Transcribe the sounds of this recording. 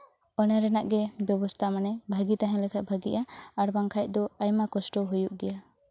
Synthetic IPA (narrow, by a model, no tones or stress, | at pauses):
ɔnaɾɛnaʔɡɛbjɔbɔst̪ʰamanɛbʱaɡit̪aɦɛ̃lɛkʰat̪̚bʱaɡḭʔaaɾbaŋkʰaj̚ˀd̪ɔajmakɔsʈɔɦujuʔ̚ɡɛja